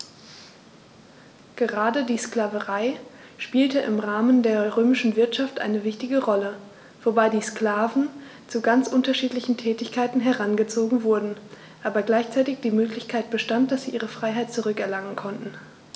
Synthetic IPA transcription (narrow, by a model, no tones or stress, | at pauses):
ɡ̥əʁaːdədiːskl̥aːvəʁaɪ | ʃpiːltəʔɪ̰mʁaːməndeːɐʁøːmɪʃn̩vɪɐtʃaftʔa̰ɪnəvɪçtɪɡəʁɔlə | v̥obaɪdiːskl̥aːvn̩ | t͡suɡant͡sʔʊntɐʃiːtlɪçn̩tʰɛːtɪçkʰaɪtn̩ɦɛʁanɡət͡soːɡŋ̩vʊɐdn̩ | ʔaːbɐɡlaɪçt͡saɪtɪçd̥iːmøːklɪçkʰaɪt̚b̥əʃtant̚d̥asz̥iːʔiːʁ̞əfʁ̥aɪɦaɪt̚t͡suʁʏkɛɐlaŋənkʰɔntn̩